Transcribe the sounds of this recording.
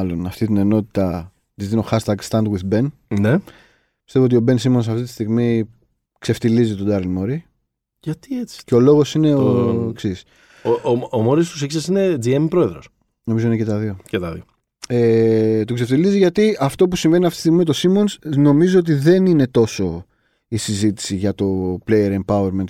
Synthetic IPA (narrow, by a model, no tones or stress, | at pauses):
lo̞nɐft̪it̪ine̞no̞t̪i̥t̪ɐ | t̪izðino̞xɐst̪ɐɡst̪ɐnd̪ɣwiðbe̞nne | pi̥st̪evoot̪io̞be̞nsimo̞nsɐft̪it̪i̥st̪iɣmi | kse̞ft̪ilizit̪od̪ɐɾlimoɾi | ʝɐt̪iet͡si̥ceo̞lo̞ɣo̞sine̞oeksis | omoɾispusiisesined͡ziempɾo̞e̞ðɾos | no̞mizo̞inecet̪ɐðio̞cet̪ɐðḭo | et̪ukseft̪iliziʝɐt̪iɐft̪o̞pusiɱve̞niɐft̪i̥st̪iɣmimet̪osimo̞nsno̞mizoot̪̬iðe̞nine̞t̪o̞so̞ | isizit̪i̥siʝɐt̪o̞plejeɾempɐweɾment̪